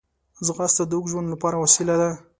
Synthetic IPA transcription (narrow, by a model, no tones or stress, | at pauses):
zɣɑst̪ad̪ukʒwand̪lapɑɾawasilad̪a